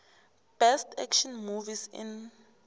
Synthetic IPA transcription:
b̥ɛstʰɛ̰kʃɔnmuvisḭn

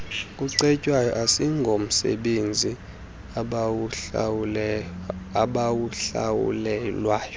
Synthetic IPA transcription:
kʼuǀɛcʼwajɔʔasiŋɡʱom̩sɛ̰ɓend͡zʱi | aɓawuɬa̰wṵlɛlwaːjɔ

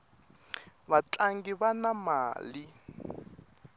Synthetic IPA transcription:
bat͡ɬʼaŋɡibanama̰ːli

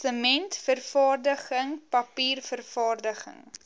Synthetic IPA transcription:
əmɛntfərfɑːrdəχəŋpɐpiːrfərfɑːrdəχə̰ŋ

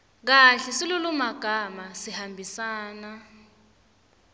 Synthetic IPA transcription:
k̬aɬisilulumaɡ̥ʱamasihambʱisaːna

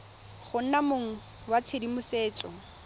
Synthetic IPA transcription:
χʊn̩namoŋ̩ | wat͡sʰedimʊseːt͡ʃʼɔ

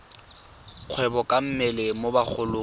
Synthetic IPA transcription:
q͡χʰwɛbɔkʼam̩mɪlɪmobak͡xʰʊlʊ

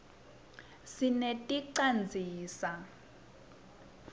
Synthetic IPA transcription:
sinetʼiǀand͡zʱiːsa

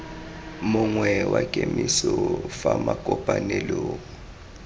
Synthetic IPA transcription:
mʊŋwɛwakʼemisɔfamakʼɔpʼanɛloːkɔ

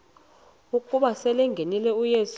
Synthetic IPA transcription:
ukʼuɓasɛlɛŋɡʱenilɛujes

